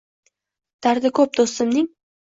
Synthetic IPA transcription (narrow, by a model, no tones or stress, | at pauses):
d̪̥aɾd̪ɪkʰɵp̚d̪ost̪ɪmnɪŋ